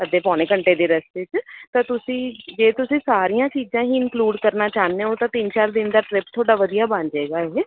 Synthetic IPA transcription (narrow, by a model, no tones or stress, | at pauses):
əd̪eːpɔːneːkəɳʈeːd̪eːɾəst̪ɪt͡ʃt̪ãːt̪ʊsĩːd͡ʒeːt̪ʊsĩːsaːɾijãːt͡ʃiːd͡ʒãːɦiːɪnkluːɖkəɾnaːt͡ʃaːnːeːoːt̪ãːt̪ɪnt͡ʃaːɾd̪ɪnd̪aːʈɾɪpt̪ʰoːɽaːʋəd̪ijaːbãɲd͡ʒeːɡaːeː